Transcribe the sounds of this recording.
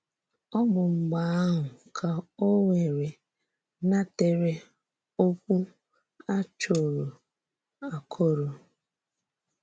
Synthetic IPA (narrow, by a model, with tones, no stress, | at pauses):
ɔ˦mʊ˨ŋ͡m̩˨ɡ͡ba˨a˦ɦʊ˨kʰa˨o˦wʷe˨ɾe˨ | na˦te˨ɾe˦ | o˦kʷu˦ | a˦t͡ʃo˨ɾo˨ | a˨kʰo˦ɾo˨